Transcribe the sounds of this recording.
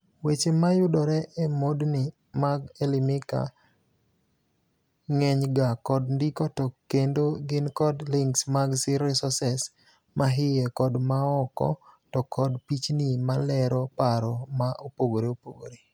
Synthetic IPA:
wet͡ʃemajʊdɔɾɛʔemodnɪ | maɡelɪmɪka̰ | ŋɛɲɡakɔdndikɔtɔkendoɡɪnkɔdlɪŋksmaɡsɪɾɛsɔsɛs | mʔaɦɪjɛkɔdmaɔkɔ̰tɔkʰɔdpit͡ʃnimalɛɾɔpaɾɔmaʔopoɡoɾeopoɡoɾe

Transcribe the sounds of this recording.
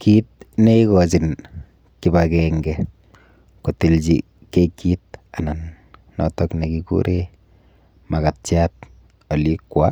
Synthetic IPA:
kit̚neikɔt͡ʃin | kibakɛŋɡɛ | kotilt͡ʃi | kekːit̚ananː | ɔ̰tɔknekikṵɾʔe | makatt͡ʃjat̚ | olikwa̰

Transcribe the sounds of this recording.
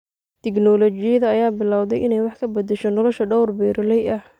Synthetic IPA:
t̪ʰɪknɔlɔt͡ʃɪjɐðɐɐjaːbɪlawðɛjʔɪnɛjwɑħkʰɐbɐd̪ɛʃɔnɔlɔʃɐɖɔwrbɛːɾɐlɛjɐh

